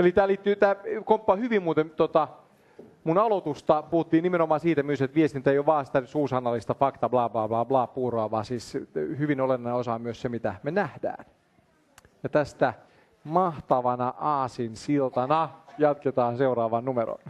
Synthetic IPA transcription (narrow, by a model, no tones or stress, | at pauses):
elit̪æːliːt̪ːyt̪æːkompːɑhyʋimmuːt̪emt̪ot̪ɑ | munɑlot̪ust̪ɑpuhut̪ːiːnimenomɑːsiːt̪æmyøiset̪ʋiest̪int̪ːæjoʋɑːsi̥t̪æsuːsɑnːɑlːist̪ɑfɑkt̪ɑblɑːblɑːblɑːblɑːpuːroɑʋɑːsiːshyʋinolenːɑneosɑmyøssemit̪æmenæhdæ̰ːn | jɑt̪æst̪æ | mɑht̪ɑʋɑnɑʔɑːsinsilt̪ɑnɑjɑt̪ket̪ɑːnseurɑːʋɑnnumeɾo̰n